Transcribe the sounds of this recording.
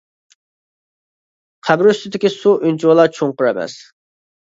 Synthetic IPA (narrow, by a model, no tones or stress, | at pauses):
qʰæbɾyst̪ɪd̪ɪkʲisuʔynt͡ʃʰuwlˠɑt͡ʃʰoŋqʊɾɛmɛ̰s